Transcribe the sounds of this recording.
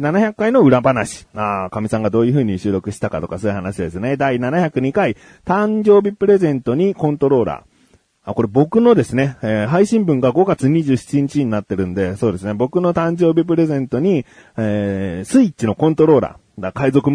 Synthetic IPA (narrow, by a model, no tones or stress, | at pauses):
nanaçakːaino̞ɯ̟ɾabanaɕi̥akamʲisãŋɡad̪o̞ːjɯ̟ɸɯ̟ːɲ̟iɕɨːɾo̞kɯ̟ɕi̥t̪akat̪okasoːi̟hanaɕid̪e̞sɨne̞d̪ainanaçakɯ̟ɲ̟ikai | t̪ãɲd͡ʑo̞ːbʲipɯ̟ɾe̞zẽ̞nt̪o̞ɲ̟ikõ̞nt̪o̞ɾo̞ːɾa̰ː | ko̞ɾe̞bo̞kɯ̟no̞d̪e̞sɨne̞eːɦaiɕĩmbɯ̟̃ŋɡaɡo̞ɡat͡sɨɲ̟iʑɨːɕi̥t͡ɕiɲ̟it͡ɕiɲ̟inat̪ːe̞ɾɯ̟̃nd̪e̞so̞ːd̪e̞sɨne̞bo̞kɯ̟no̞t̪ãɲ̟d͡ʑo̞ːbʲip̬ɯ̟ɾe̞zẽ̞nt̪o̞ɲ̟i | eːsɨit͡ɕino̞kõ̞nt̪o̞ɾo̞ːɾa̰ː | akaizo̞kɯm